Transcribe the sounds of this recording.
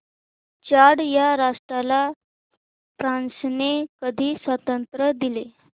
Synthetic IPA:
t͡ɕaɽjaɾaʂʈɾala | pɾãnsnekəd̪ʱiːsʋət̪ənt̪ɾəd̪ile

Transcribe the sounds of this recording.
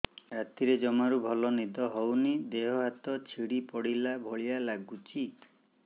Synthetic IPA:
ɾat̪iɾed͡ʒɔmaɾubʱɔlɔnid̪ɔɦɔwnid̪eɦɔɦat̪ɔt͡ʃʰiɽipɔɽilabʱɔɭijalaɡut͡ʃi

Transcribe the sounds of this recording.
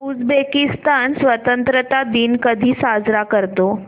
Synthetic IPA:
ud͡zbekist̪ansʋət̪ənt̪ɾət̪ad̪iːnkəd̪ʱiːsad͡zɾakəɾt̪o

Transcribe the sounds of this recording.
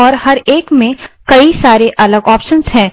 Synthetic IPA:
ɔːɾɦɐɾeːkmẽkɐisaːɾeʔɐləɡɔːpʃənzɦɛ̃ː

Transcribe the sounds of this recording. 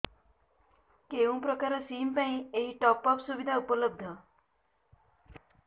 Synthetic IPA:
keʋũpɾəkaɾəsiːmpãĩeɦiʈɔpɔpsuʋid̪ʱaupələb̚d̪ʱə

